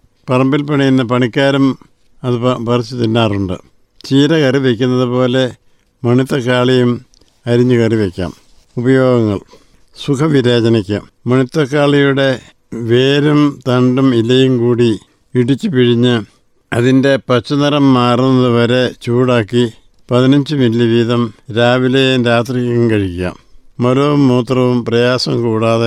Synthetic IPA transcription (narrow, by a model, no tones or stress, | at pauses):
pɐrɐmbilpɐɳijunːɐpɐɳikʲːaːɾɐm | ɐðɨpɐpɐrɐt͡ɕːɨt̪inːaːruɳɖɨ̰ | t͡ɕiːɾɐkɐriʋekʲːunːɐðɨpo̞ːle̞ | mɐɳit̪ːɐkaːɭijum | ɐɾiɲːɨkɐriʋekʲːa̰ːm | ubɐjo̞ːɡɐŋːɐɭ | sukʰɐʋiɾeːd͡ʑɐnikʲːɐ̰ | mɐɳit̪ːɐkːaːɭijuɽe̞ | ʋeːɾumt̪ɐɳɖumilːɐjumkuːɽi | iɽit͡ɕːɨpiɻiɲːɨ | ɐðinde̞pɐt͡ɕːɐnɐɾɐmːaːrnːɐðɨʋɐɾe̞t͡ɕuːɽaːkːi | pɐðinɐɲd͡ʑɨmilːiʋiːðɐmɾaːʋilejeɾaːt̪rijɐjumkɐɻikʲːua̰ːmːɐloumːoːt̪rɐʋumprɐjaːsɐmkuːɽaːðe